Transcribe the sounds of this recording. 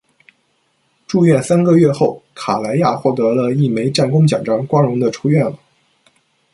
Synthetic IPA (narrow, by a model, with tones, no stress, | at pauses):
ʈ͡ʂu˥˧ɥɛ˥˩nsa˥nɡə˧ɥɛ˥˧xo˥˩ʊkʰa˨˩la˧˥ɪja˥˧xwɔ˥˩t̪ɤ˧˥lə˧i˥˩me˧˥ɪʈ͡ʂa˥˩nkʊ˥ŋt͡ɕjɑ˨˩ʈ͡ʂɑ˥ŋkwɑ˥ŋɻʊ˧˥ŋd̪ə˧ʈ͡ʂʰu˥ɥɛ˥˩nlə˩